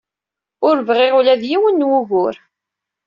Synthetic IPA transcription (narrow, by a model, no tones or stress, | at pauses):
ʊɾvʁɪʁʊlæðjiwənːwʊɣʊɾ